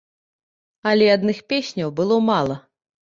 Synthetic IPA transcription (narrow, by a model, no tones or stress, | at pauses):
alʲɛad̪nɨxpʲesʲnʲɐwbɨlˠɔmalˠɐ